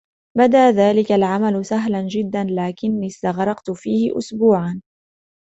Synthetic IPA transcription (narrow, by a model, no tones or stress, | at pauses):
bad̪aʔðaːlɪkalʕamalʊsaɦland͡ʒɪd̪ːanlaːkɪnːiːst̪aɣɾˤɑqt̪ʊfiːhɪ̰ʔʊ̰sbuːʕan